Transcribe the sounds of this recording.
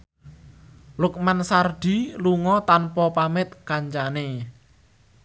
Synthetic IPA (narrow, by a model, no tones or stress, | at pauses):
lʊk̚mansarɖ̥i̤luŋɔt̪anpɔpamɪt̪̚kaɲt͡ʃane